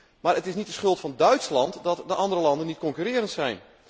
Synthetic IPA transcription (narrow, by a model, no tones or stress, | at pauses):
maːɾətɪsnit̚dəsχɵlˠtfɑndœɥtslɑntdɔtdəʔɑndəɾəlɑndənːit̚kɔŋkyɾɪːəɾəntsɛjn